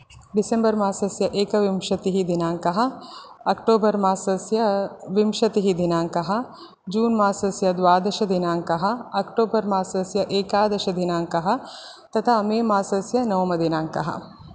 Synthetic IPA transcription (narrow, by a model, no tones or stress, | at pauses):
ɖisembɐɾmaːsɐsjɐʔeːkɐʋimʃɐt̪iɦid̪inaːŋkɐɦɐ̆ɐkʈoːbɐɾmaːsɐsjɐʋimʃɐt̪iɦid̪inaːŋkɐɦɐ̆ | d͡ʒuːnmaːsɐsjɐd̪ʋaːd̪ɐʃɐd̪inaːŋkɐɦɐ̆ɐkʈoːbɐɾmaːsɐsjɐʔeːkaːd̪ɐʃɐd̪inaːŋkɐɦɐ̆ | t̪ɐt̪ʰaːɐmeːmaːsɐsjɐnɐwmɐd̪inaːŋkɐ̰ɦɐ̰